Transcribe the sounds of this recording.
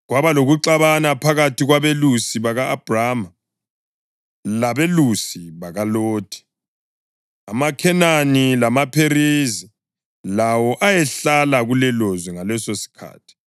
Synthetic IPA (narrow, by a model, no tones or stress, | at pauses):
ɣwaβaloɣuǀaβanapʰaɣatiɣwaβelusiβaɣaːb̥ʱraːma | laβelusiβaɣaloːtʰʼi̥ | a̰makʰɛnanilamapʰerizi | lawɔʔajɛɬalaɣulɛlozwɛŋalɛsosi̥kʰa̰ːtʰi̥